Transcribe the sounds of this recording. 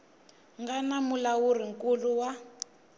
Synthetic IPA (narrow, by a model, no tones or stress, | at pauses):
ŋɡanamulawuriŋkʼuluwa